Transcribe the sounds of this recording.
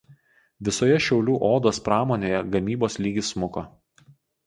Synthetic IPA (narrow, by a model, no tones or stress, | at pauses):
ʋʲɪsoːjɛʃʲɛʊlʲuːʔoːd̪oːspɾɑːmoːnʲeːjɛɡɐmʲiːboːslʲiːɡʲɪsmʊko